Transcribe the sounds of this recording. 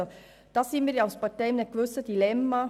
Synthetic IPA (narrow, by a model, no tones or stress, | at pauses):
o | d̥ɑsinmiːɾjaʊspɑtɛɪmnɛt̚kʋøsədilɛmːa